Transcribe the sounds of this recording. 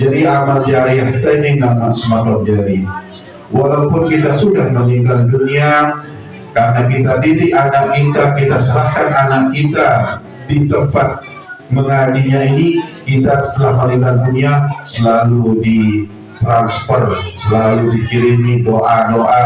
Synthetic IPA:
d͡ʒadiamald͡ʒaɾiahkit̪aininaŋmaʔsmat̪ɔr̚d͡ʒaɾi | walaupʊnkit̪asudahməliŋɡandunia | karənakit̪adidɪkanaʔkit̪akit̪asəɾahkananaʔkit̪a | dit̪əmpat̪̚ | məŋad͡ʒiɲainikit̪asə̥t̪əlahməliŋɡanduniasəlaludi | t̪ɾanspɔrt̪̚səlaludikiɾinidoʔanoʔa

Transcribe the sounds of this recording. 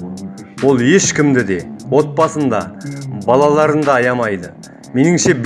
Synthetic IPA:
wo̞lˠje̞ʃkʲɪmd̪ɪd̪e̞wo̞t̪̚pɑsənd̪ɑbɑlˠɑlˠɑɾənd̪ɑːjɑmɑjd̪ə | me̞nɪŋʃe̞b

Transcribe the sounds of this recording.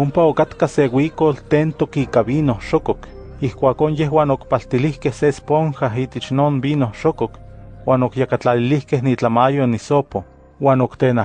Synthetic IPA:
ompaokat̪kasewiːkolt̪eːnt̪okiːkaβiːnohʃokok | ihkʷaːkoːnjeɦwaːnokpalt̪ilihkehsespoŋxaɦiːt̪et͡ʃnoːnbiːnohʃokokwaːnokjakat͡ɬalilihkehnit͡ɬamajonisopo | waːnokt̪eːna

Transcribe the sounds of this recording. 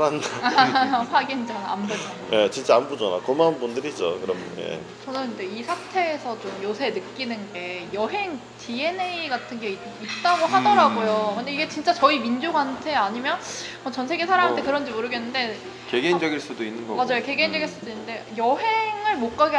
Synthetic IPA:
andaaɸwaɡind͡ʑaambud͡ʑanaje̞t͡ɕint͡ɕ͈aambud͡ʑana̰komanbundɯɾid͡ʑo̰kɯɾʌmnjḛ | t͡ɕʌnɯnind͡ʑe̞isʰatʰe̞ːsʰʌt͡ɕomjosʰenɯk͈inɯnɡe̞jʌɦe̞ŋ | tʰie̞neiɡatʰɯnɡe̞i | it̚t͈aɡoɦadʌɾaɡojokɯnde̞iɡet͡ɕint͡ɕ͈at͡ɕʌimind͡ʑoɡɦantʰe̞aɲimjʌnmʌt͡ɕʌnsʰe̞ɡesʰaɾaŋatʰekɯɾʌnd͡ʑimoɾɯɡe̞nːɯnde̞ | keɡend͡ʑʌɡiɭs͈udoinːɯnɡʌmad͡ʑajoke̞ɡend͡ʑʌɡiɭs͈udonːɯnde̞jʌɦe̞ŋɯɭmok͈aɡe

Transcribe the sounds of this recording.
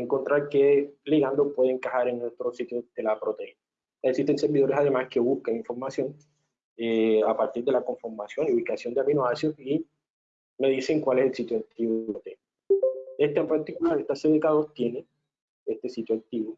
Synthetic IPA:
eŋko̞nt̪ɾaɾkeliɣand̪opwe̞ðeŋkahaɾennwet̪ɾosit̪joðelapɾot̪eina | aeksist̪e̞nseɾβiðo̞ɾesaðemaske̞βuskaŋiɱfo̞ɾmasjo̞ŋ | eapaɾt̪iɾðe̞lako̞ɱfoɾmasjo̞niuβikasjo̞nd̪eaβinoasjosi | me̞ðise̞ŋkwale̞selsit̪joakt̪iβwot̪en | est̪aempaɾt̪ikulaɾest̪aseðekaðoɾt̪je̞ne | est̪e̞sit̪joak̚t̪iβo

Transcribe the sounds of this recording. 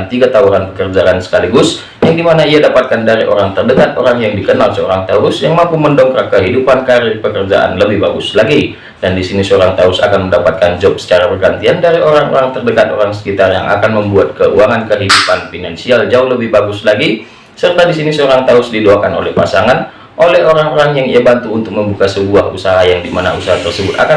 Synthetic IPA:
nt̪iɡat̪auɾanpəkərd͡ʒaʔansə̥kaliɡʊs | jaŋdimanaiadapat̪̚kandaɾiʔo̰ɾaŋt̪ərdəkat̪o̰ɾaŋjaŋdikənalsəoɾaŋt̪aʊsjaŋmampuməndɔŋkɾakəɦidupankaɾɪrpəkərd͡ʒa̰ʔa̰nləbɪhbaɡʊslaɡi | d̥andisinisəoɾaŋt̪aʊsa̰kanməndapat̪̚kand͡ʒɔp̚sə̥t͡ʃaɾabərɡant̪iandaɾiʔoɾaŋo̰ɾaŋt̪ərdəkat̪̚o̰ɾaŋsə̥kit̪arja̰ŋʔa̰kanməmbuat̪̚kəʔuaŋankəɦidupanfinansiald͡ʒaʊhləbɪhbaɡʊslaɡi | sərt̪adisinisəoɾaŋt̪aʊsdiduakano̰lɛhpa̰saŋan | ʔolɛɦoɾaŋoɾaŋjaŋḭabant̪uːnt̪ʊk̚məmbukasəbuaɦusaɦajaŋdimanausaɦat̪ərsəbʊt̪a̰ka

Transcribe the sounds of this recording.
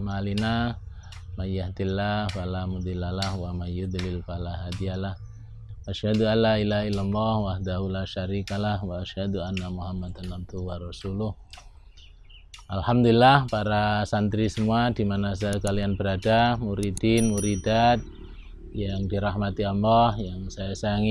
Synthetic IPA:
malina | majjahd̪ilːafalamud̪ilːalahwamajjʊd̪lɪlfalaɦad̪ialah | waʃhad̪ualailailːalːɑhwahd̪aɦulaʃaɾikalahwaaʃhad̪uanːamuɦamːad̪anab̚d̪uwarɑsulʊh | ʔalhamd̪ulilːahpaɾasant̪ɾisəmuadimanasakalianbəɾadamuɾid̪inmuɾidat̪̚ | jaŋdiɾahmat̪iamahjaŋsajasaaŋi

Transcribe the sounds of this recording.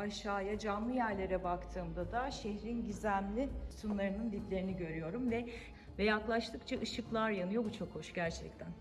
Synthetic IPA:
aʃaːjad͡ʒanlˠɯjæɾlʲe̞ɾɛbakt̪ʰɯːmd̪ad̪aʃeçɾinɟizænlʲisunlˠaɾɯnɯnd̪iplʲe̞ɾiniɟø̞ɾyjo̞ɾumvɛ | vɛjaklˠaʃt̪ʰɯkt͡ʃʰaʔɯʃɯklˠaɾjanɯjo̞but͡ʃʰo̞kho̞ʃɟæɾt͡ʃʰɛc̚t̪ʰæn

